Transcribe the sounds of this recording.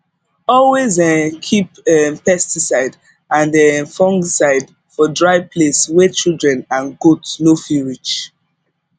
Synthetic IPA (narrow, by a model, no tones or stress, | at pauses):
ɔlwezɛkʰipɛpɛstisaɪd | ãnɛfɔ̃ŋɡsaɪd | fɔdɹaɪpʰleswɛt͡ʃildɹɛ̃nãnɡotnofiɹit͡ʃ